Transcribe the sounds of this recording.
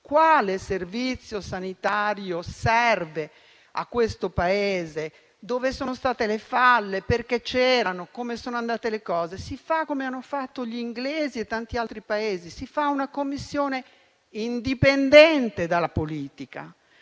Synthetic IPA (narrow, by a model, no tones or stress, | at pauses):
kwaːleservit̪sːjosanit̪aɾjosɛrve | a̰kːwest̪opaeːze | d̪oːvesoːnost̪aːt̪elefalːeperket͡ʃːɛːɾanokomesoːnoand̪aːt̪elekɔːzesifakːomeanːofat̪ːoʎiŋɡleːziet̪ːant̪ialt̪ɾipaeːzisifaunakomːisːjoːne | ind̪ipend̪ɛnt̪ed̪alapoliːt̪ika̰